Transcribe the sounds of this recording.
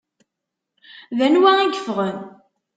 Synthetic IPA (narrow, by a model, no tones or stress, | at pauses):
ðænwæiɡə̥fʁən